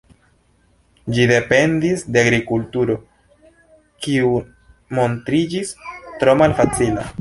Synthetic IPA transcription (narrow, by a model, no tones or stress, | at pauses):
d͡ʒide̞pe̞ndisde̞aɡɾikultuɾo̞ | kiu | mo̞ntɾid͡ʒistɾo̞malfat͡sila̰